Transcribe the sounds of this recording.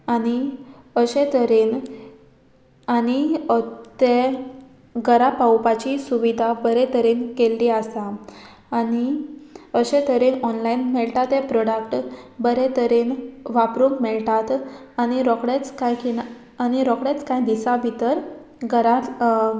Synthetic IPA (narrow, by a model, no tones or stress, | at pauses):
añi | əɕet̪əɾen | añi | t̪e | ɡəɾapawpat͡ɕisuʋid̪ʱabəɾet̪əɾenkelːiasaː | ni | əɕet̪ʰəɾenɔnlainmɛɭʈat̪ɦɛpɾɔɽəkʈbəɾet̪əɾenʋapɾuŋkmeɭʈat̪añiɾɔkɽet͡skajkin | añiɾɔkɽet͡skãjd̪isabʱit̪əɾ | ɡəɾa